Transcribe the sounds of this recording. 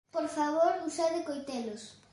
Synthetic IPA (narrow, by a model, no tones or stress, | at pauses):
poɾfaβoɾusaðɪkojt̪elʊs